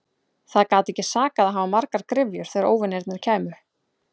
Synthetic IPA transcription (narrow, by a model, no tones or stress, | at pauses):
θaðkaːwt̪ɛhcːɪ̥saːkaðaðɦaːvamaɾkaɾkɾɪvjʏɾ̥θɛɣɾoːwvʏneɾt̪nɪɾ̥cʰɛːmʏ